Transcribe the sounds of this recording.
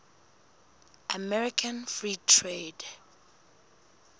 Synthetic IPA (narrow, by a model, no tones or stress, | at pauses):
ʔamɛɹikʰãnfɹitʰɹed